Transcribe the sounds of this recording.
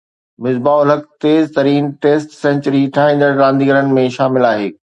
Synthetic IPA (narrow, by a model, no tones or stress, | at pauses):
mɪzbaːʊləkt̪eːzt̪ɐɾiːnʈeːsʈsɛ̃ɲt͡ɕɾiʈʰaːɦĩːn̆d̪əɾɾãːnd̪iːɡəɾənɪ̆mẽʃaːmɪlaːɦeː